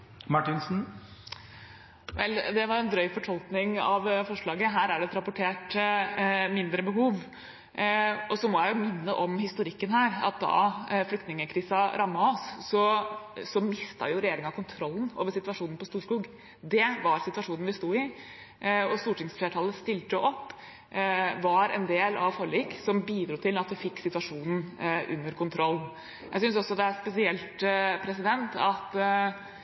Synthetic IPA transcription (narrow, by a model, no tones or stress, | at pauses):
mɑʈɪnsn̩ | ʋɛ̰ld̪ɛʋɑɾɛnd̪ɾœʏfɔʈʰɔlknɪŋɑ̰ʋfɔʂɭɑːɡəɦæːɾæɖɛt̪ɾɑpʊʈʰeːʈ | mɪnd̪ɾəbəɦuːʋ | ʔɔsɔmɔjæɪjʊmɪnːəʔɔmhɪst̪ʊɾɪkːənɦæːɾɑ̰t̪̚d̪ɑ̰flʏkt̪nɪŋəkʰɾiːsɑɾʔɑmːɑɔsːɔsɔmɪst̪ɑ̰jʊɾɛjeːɾɪŋɑkʰʊnt̪ʰɾɔlːn̩o̰ːʋəʂɪt̪ʋɑʂuːnn̩pɔst̪uːʂkuːɡ | d̪ɛʋɑɾsɪt̪ʋɑʂuːnn̩ʋɪst̪uːɪ | ɔst̪uːʈɪŋsfleːʈʰɑːləst̪ɪlt̪əʔɔpː | ʋɑɾɛ̰nd̪eːlɑʋfɔɭiːksɔmbiːd̪ɾuːt̪ʰɪlɑt̪ʋɪfɪkːsɪt̪ʉʋɑʂuːnn̩ʔʉ̰nːəɾkʰʊnt̪ʰɾɔlːn̩ | jæ̰ɪsʏnsɔsːɔd̪ɛæspɛsɪɛlt̪pʰɾɛsɪd̪ɛnt̪ɑt̪